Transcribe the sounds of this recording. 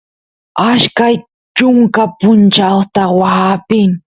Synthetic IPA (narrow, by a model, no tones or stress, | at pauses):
aʃkaj | t͡ʃʊŋkapʊnt͡ʃawt̪awaapɪŋ